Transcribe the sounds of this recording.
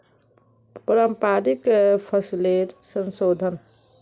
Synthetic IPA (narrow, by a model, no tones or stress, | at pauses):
pəɾəmpaːɾikpʰəsleɾsənsoːd̪ʱən